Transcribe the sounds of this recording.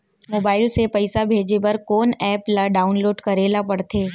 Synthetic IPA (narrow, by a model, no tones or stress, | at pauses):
moːbaːɪlsepɐɪsabʱeːd͡ʒepɐɾkoːnɛːplaɖaːʊnloːɖkɐɾeːlapɐɽt̪ʰeː